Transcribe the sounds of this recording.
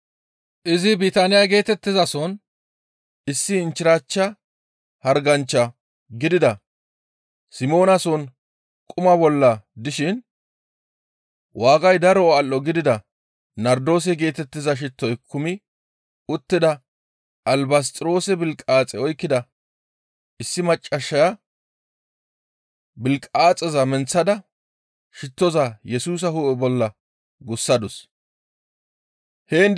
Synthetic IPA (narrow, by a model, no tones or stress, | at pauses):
ʔɪzɪbit̪ɐnɪjɐɡe̞ːt̪ɛt̪ːɪzɐsɔn | ɪsːɪːnt͡ʃːɪɾaːt͡ʃːɐ | hɐɾɡɐnt͡ʃːɐ | ɡɪd̪ɪd̪ɐ | sɪmo̞ːnɐsɔn | kʼʊmɐbɔlːɐd̪ɪʃɪn | waːɡɐjd̪ɐɾɔɐlːɔɡɪd̪ɪd̪ɐ | nɐɾd̪o̞ːs̬ɛɡe̞ːt̪ɛt̪ːɪzɐʃ̬ɪt̪ːɔjkʰʊmɪ | ʊt̪ːɪd̪ɐ | ʔɐlbɐs̬t̪ʼɪɾo̞ːsɛbɪlkʼaːt͡sʼɛɔjkːɪd̪ɐ | ɪsːɪmɐt͡ʃʼːɐʃːɐja | bɪlkʼaːt͡sʼɛzɐmɛnt͡sːɐd̪ɐ | ʃɪt̪ːɔzɐjɛsuːs̬ɐhuːʔɛbɔlːɐ | ɡʊsːɐd̪ʊs | heːn